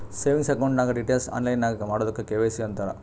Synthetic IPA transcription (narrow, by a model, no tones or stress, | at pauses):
seːʋiŋɡsɐkɐwuɳʈnaːɡɐɖiʈeːlsa̰ːnlɐjnːaːɡɐmaːɽod̪ɐkːekeːʋesiʋɐnt̪aːlɐ̰